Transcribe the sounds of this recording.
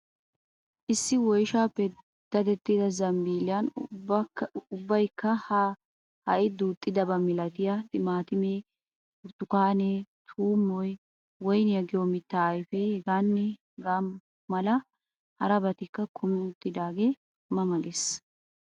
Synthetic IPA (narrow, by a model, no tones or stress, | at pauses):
ʔɪsːɪwɔjʃaːpːɛ | d̪̥ɐd̪ɛt̪ːiːd̪ɐzɐmbiːlɪjɐn | ʊbːɐjkːɐ | hɐʔɪd̪uːt̪ʼːɪd̪ɐbɐmɪlɐt̪ɪjɐt̪ɪmaːt̪ɪmeː | ʊɾt̪ːʊkaːneːt̪ʰuːmːɔj | wɔjnjɐɡɪjomɪt̪ːaːjfehɛɡanːɛ | ɡamː | ɐlɐ | hɐɾɐbɐt̪ɪkːɐkʰʊmɪt̪ʼːɪd̪aːɡe̞ː | mɐmɐɡes